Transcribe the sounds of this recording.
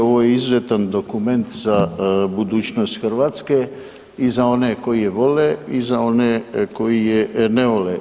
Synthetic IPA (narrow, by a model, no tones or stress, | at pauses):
oʋoːjeizuzet̪and̪o̞kume̞nt̪zabud̪uːt͡ɕnost̪xrʋaːt̪ske | izao̞neko̞jijeʋo̞leizao̞neko̞jijeneʋo̞le